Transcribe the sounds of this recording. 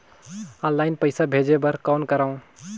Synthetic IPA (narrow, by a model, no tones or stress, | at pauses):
ɔ̃ːllaːɪnpəɪsabʱeːd͡ʒebəɾkaːnkəɾaːũ